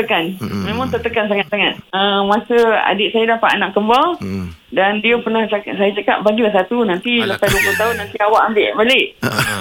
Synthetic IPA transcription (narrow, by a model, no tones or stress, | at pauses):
t̪əkanmẽmãŋt̪ət̪əkans̬aŋat̪̚saŋat̪̚əmãsəa̰dɪʔ̚sajadapa̰ʔnaʔkəmbaldandiəpənahasajat͡ʃaka̰ʔ̚baɡilahsat̪unãnt̪iləpajduəplʊt̪aɦʊnːãnt̪iawaʔambɪʔbaleʔ